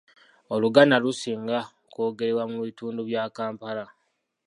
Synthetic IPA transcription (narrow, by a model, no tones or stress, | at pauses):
o̞luɡanalusiːŋɡa | koːɡe̞ɾewamuβituːnduβjaːkaːmpala